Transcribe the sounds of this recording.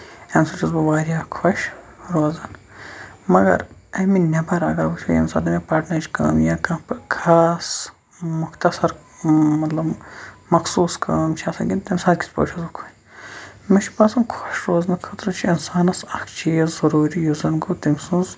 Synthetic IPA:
ɐnsɐt͡ʃʰʲɐzbɐʋaːɾʲjaːkʰɔʃ | ɾoːzɐn | mɐɡɐ̰ɾɐminʲɐbɐɾɐɡɐɾbut͡ʃʰṵɐ̰nsa̰ːnt̪ɐmʲipaːʈnɐɾt͡ʃʲkɐ̰ːmjaːkɐːpkʰaːs | mʊxt̪ɐsɐɾ | mɐt̪lɐbmɐxsuːskɐːmt͡ʃʰiɐsɐɡʲint̪ɐmʲsaːd̪kʰʲi̥spo̰ːt͡ʃʰɐzbkʰonʲ | mit͡ʃʰi̥pɐsɐnkʰɔʃɾoːzɐnkʰɐt̪ɾɨt͡ʃʰiinsaːnɐsɐkʰt͡ʃʰizɐɾuːɾijuzɐnɡot̪imʲsũnz

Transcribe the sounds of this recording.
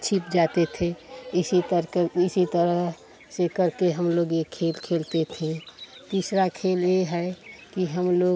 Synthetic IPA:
t͡ʃʰipd͡ʒat̪et̪ʰẽisit̪əɾkeisit̪əɾəɦ | sekəɾkeɦəmloɡekʰːelkʰelt̪et̪ʰẽt̪isɾakʰeleɦəkiɦəmloɡ

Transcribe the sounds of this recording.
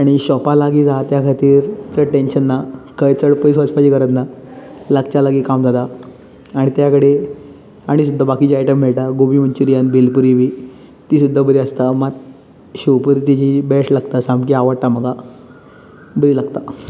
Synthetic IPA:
aɽ̃iɕɔpalaɡiːd͡zat̪jakʰat̪iːɾt͡səʈenɕənːakʰəjt͡səɽpəjsʋɔt͡ɕpad͡ʑiːkəɾət̪naləɡ̚t͡ɕalaɡiːkamd͡zat̪a | aɽ̃it̪jakəɽe | aɽ̃is̬ud̪ʱːabakiːt͡ɕajʈəmːɛɭʈaɡobiːmənt͡ɕuɾijanbelpuɾiʋiː | t̪iːs̬ud̪ʱːabəɾiəst̪amat̪ | ɕiwpuɾit̪it͡ɕibɛʂlaɡt̪asamkiaʋəɽʈaməɡʱa | bəɾiːlaɡt̪a

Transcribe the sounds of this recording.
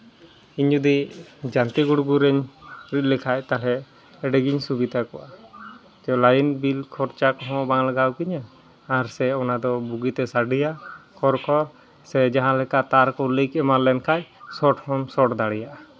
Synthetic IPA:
iɲd͡ʒud̪id͡ʒant̪iɡuɽɡuɾɛɲɾiʔ̪̚ˀlɛkʰaʔt̪alɛ | ɛɖɛɡiɲsubid̪ʱakɔwa | d͡ʒɔlajinbilkʰɔɾt͡ʃakɔɦɔ̃baŋlaɡawkiɲa | aɾsɛɔnad̪ɔbuɡit̪ɛsaɖijakʰɔɾkʰɔɾ | sɛd͡ʒaɦãlɛkat̪aɾkɔlikɛmaɾlɛnkʰaʔsɔʈhɔmsɔʈd̪aɽɛjaʔa

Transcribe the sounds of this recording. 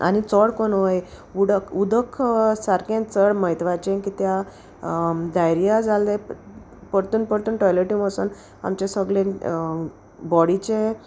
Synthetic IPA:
a̰nit͡səɽkonojuɽəkʰud̪əkʰsaɾkẽt͡səɽməɦit̪ʋat͡ɕẽkit̪ja | d̪ajɾijad͡zale | pəɽt̪uːnpəɽt̪uːnʈɔjleʈĩməsṵn | a̰mt͡ɕesəɡɭẽ | bɔɽit͡ɕe

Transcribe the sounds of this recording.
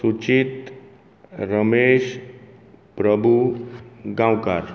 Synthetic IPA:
sut͡ʃit̪ | ɾəmeʃ | pɾəbʱu | ɡãwkaɾ

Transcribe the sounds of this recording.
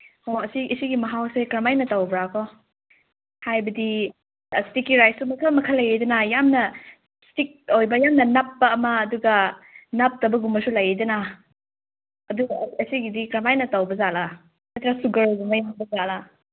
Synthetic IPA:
hoɐsiʔisiɡimɐɦawsekɾɐmajnɐtɐwbɾakʰɔ | hajbɐdi | stikːiɾajsumɐkʰɐmɐkʰɐlɐjedɐnajamnɐ | stik̚ojbɐjamnɐnapːɐːmɐːduɡɐnɐp̚tɐbɐɡumɐsulɐjejdɐna | ɐduɡɐɐsiɡidikɾɐmajnɐtawbɐzala | sɐt̪ɾasuɡɐɾɡumɐjabɐzala

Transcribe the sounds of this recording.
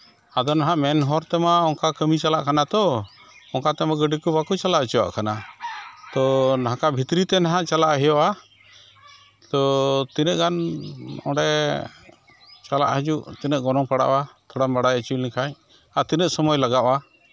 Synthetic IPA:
ad̪ɔnaɦãʔmɛnɦɔɾt̪ɛmaɔŋkakəmit͡ʃalaʔkanat̪ɔ | ɔŋkat̪ɛmaɡəɖikubakut͡ʃalaʔət͡ʃɔwa̰ʔkana | t̪ɔnaɦãkabʱit̪ɾit̪ɛnaɦãʔt͡ʃalaʔɦɛjɔʔa | t̪ɔt̪inəʔ̚ɡanɔ̰ɖɛ | t͡ʃala̰ʔɦəd͡ʒuʔt̪inəʔ̪̚ɡɔnɔŋpaɽa̰ʔwat̪ʰɔɽambaɽajət͡ʃilĩkʰaɲ | at̪inəʔ̚sɔmɔjlaɡaʔa

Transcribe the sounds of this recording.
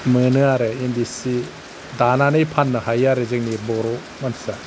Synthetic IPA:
mɯnɯaɾɯemdisi | dananɯjpʰanːɯhajaɾɯzɯŋnibɔɾɔ | mansa

